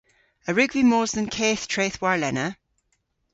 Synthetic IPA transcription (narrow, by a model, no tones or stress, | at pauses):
əɹʉɡvimɔːzðə̃nkʰeːθtʰɹ̥eːθwaɹlɛnə